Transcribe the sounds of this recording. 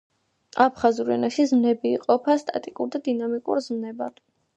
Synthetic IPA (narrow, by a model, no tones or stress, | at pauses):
apʰχazuɾɛ̰naʃizmnɛbiːqʼɔpʰast̪ʼa̰t̪ʼikʼuɾd̪ad̪inamikʼṵɾzmnɛbad̪